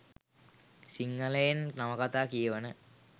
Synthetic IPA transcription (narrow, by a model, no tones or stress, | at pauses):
siŋːəlejennaməkat̪aːkijəʋənə